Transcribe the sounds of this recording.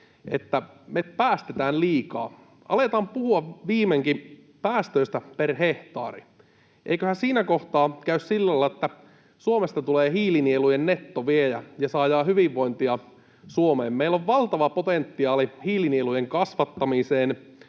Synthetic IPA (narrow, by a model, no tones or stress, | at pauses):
ḛt̪ːæ | mepæːst̪et̪æːlliːkɑ̰ː | ʔɑ̰let̪ɑːmpuhuɑʋʋiːmeŋki | pæːst̪øist̪æperheht̪ɑ̰ːrḭ | ʔḛikøhæsiːnækoht̪ɑːkæyssilːælɑlːɑet̪ːæ | suomest̪ɑt̪uleːhiːlinielujennet̪ːoʋiejæjɑsɑːjɑːhyʋiʋːo̞jnt̪iɑ | suomeːmmeilːoʋʋɑlt̪ɑʋɑpot̪ent̪ːiɑːlihiːlinielujeŋkɑsʋɑt̪ːɑmiseːn